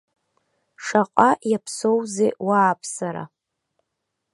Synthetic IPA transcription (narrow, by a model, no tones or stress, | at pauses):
ʂaqʼajapʰso̞wzḛwaːpʰsaɾa̰